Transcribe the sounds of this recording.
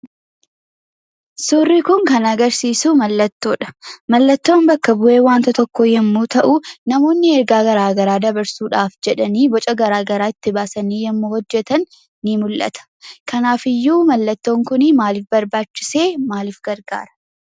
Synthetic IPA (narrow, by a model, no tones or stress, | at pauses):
sʊrːɪkʊŋkɐnɐɡɐɾsiːsuːmɐlːɐt̪ːo̞ːᶑɐ̥mɐlːɐt̪ːo̞ːnbɐkːɐbʊʔe̞ːwaːnt̪ɐt̪ɔkːɔjɐmːuːt̪ɐʔʊnɐmo̞ːnːɪɛɾɡaːɡɐɾaːɡɐɾaːd̪ɐbɐɾsuːᶑaːfd͡ʒɛᶑɐniːbɔt͡ʃʼɐɡɐɾaːɡɐɾaːɪt̪ːɪbaːsɐniːjɐmːoːhɔd͡ʒːɛt̪ɐnː | ɪmʊlʔɐ̰t̪ɐ̥kɐnaːfɪjːuːmɐlːɐt̪ːo̞ːŋkʊnɪmaːlɪfbɐɾbaːt͡ʃːɪ̥seːmaːlɪfɡɐɾɡa̰ːɾɐ̥